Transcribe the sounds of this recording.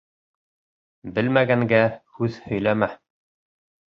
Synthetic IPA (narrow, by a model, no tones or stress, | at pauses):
bɘlmæɡæŋɡæhʉðhɵ̆jlæmæ